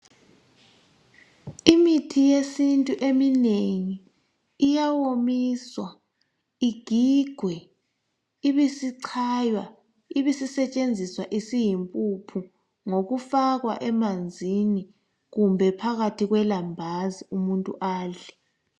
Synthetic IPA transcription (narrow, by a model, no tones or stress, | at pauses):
imitʰijesintʼuʔemineŋiː | jawomiswa | iɡ̥ʱiɡ̥ʱwɛ | iβisiǀʰajwa | iβisisɛt͡ʃʼend͡zʱiswaʔisijimpʼupʰu | ŋoɣufaɣwa̰ʔɛmand͡zʱini | ɣumbʱɛpʰaɣatʰiɣwɛlambʱaziumuntʼṵʔaːɮɛ